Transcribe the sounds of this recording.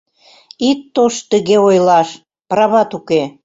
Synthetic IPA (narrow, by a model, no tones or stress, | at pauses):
it̪ːoʃt̪əɣeojlɑʃ | prɑβɑt̪uke